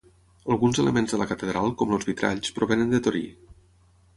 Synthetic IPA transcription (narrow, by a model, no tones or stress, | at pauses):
əlˠɣunzeləmenzðələkət̪əðɾalˠkɔmlozβit̪ɾʔa̰ʎspɾoβenənd̪ət̪oɾḭ